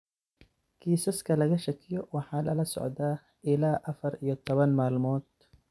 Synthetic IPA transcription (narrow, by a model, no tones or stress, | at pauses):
kʰiːsɐskʰɐlɐɣɐʃɐkʰɪjɔwɑħɑːlɐlɐsɔ̰ʕd̪aː | ʔɪlaːʔɐfɐɾijɔt̪ʰɔβɐnmaːlmɔːd̪̥